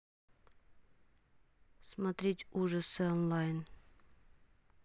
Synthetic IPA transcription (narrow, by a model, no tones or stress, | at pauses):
smɐt̪ɾʲetʲuʐəsəɔnlˠajn